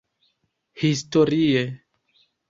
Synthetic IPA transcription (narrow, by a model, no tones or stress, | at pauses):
histoɾie